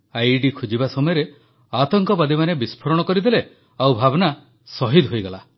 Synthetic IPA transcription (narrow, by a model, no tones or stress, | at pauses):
ajɖikʰud͡ʒibasɔmɔjɔɾe | at̪ɔŋkɔbad̪imanebispʰɔɾɔɽ̃ɔkɔɾid̪ele | awbʱabɔna | sɔɦid̪ɦojɡala